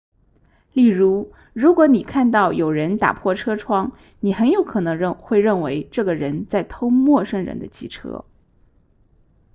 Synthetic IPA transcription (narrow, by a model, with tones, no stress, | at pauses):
li˥˩ɻu˧˥ | ɻu˧˥kwɔ˧˥ni˨˩kʰa˥˧nt̪ɑ˥˩ʊjo˨˩ʊɻə˧˥nt̪a̰˨˩pʰwɔ˥˩ʈ͡ʂʰɤ˥ʈ͡ʂʰwɑ˥ŋ | ni˨˩xə˧˥njo˧˥ʊkʰɤ˨˩nɤ˧˥ŋɻə˥˧ŋxwe˥˧ɪɻə˥˩nwe˧˥ɪʈ͡ʂɤ˥˩ɡə˩ɻə˧˥nt͡sa˥˩ɪt̪ʰo˥ʊmwɔ˥˧ʂɤ˥˩ŋɻə̰˧˥nd̪ə̰˧t͡ɕʰi˥˩ʈ͡ʂʰɤ̰˥